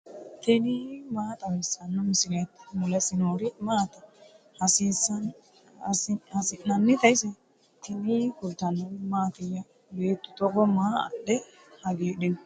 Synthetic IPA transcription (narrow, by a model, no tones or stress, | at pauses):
t̪ʰɛnimaːt̪ʼɐwɛsːɐnːɔmɪsɪlɐjt̪ːmʊlɛsɪnoːɾɪmaːt̪ɐ | hɐsisɐn | hɐsɪnːɐnːɪt̪ɐjsɛ | t̪ʰɛnikʊlt̪ːɐnːɐwɪmaːt̪ɪjɐ | beːt̪ːʊ̥t̪ɔɡɔmaːɐ̰ɗɛ | hɐɡeːdɪnɔ